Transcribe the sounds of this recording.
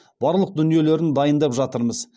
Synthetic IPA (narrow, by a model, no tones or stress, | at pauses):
b̥ɑɾlˠəq̚d̪ʏnije̞le̞ɾɪnd̪ɑjənd̪ɑpʒɑt̪əɾməz